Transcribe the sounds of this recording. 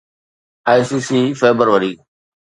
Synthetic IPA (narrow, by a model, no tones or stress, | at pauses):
aːjsiːsiːfeːbəɾʋəɾiː